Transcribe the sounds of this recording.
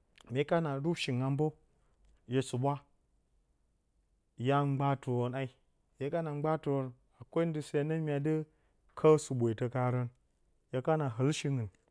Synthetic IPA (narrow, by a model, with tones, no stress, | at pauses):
me˨˦ka˦na˨ɾu˦bʃi˨ŋa˧mbo˦ | je˨su˨bʷa˦ | ja˦ŋ͡mɡ͡ba˦tu˨wo˨na˦i˦ | je˦ka˦na˨ŋ͡mɡ͡ba˦tu˨wo˨˧n | a˨kʷo˦ndɨ˨se˦˨na˦mi˦a˨dɨ˦ | kʰə˦su˨ɓʷe˨tə˧ka˨ɾə˧n | ja˨ka˦na˨ɦə˨˦lʃi˦ŋɨ˨n